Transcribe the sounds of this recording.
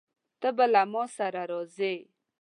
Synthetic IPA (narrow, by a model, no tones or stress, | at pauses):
t̪əbəlamɔ̃ːsaɾaɾoze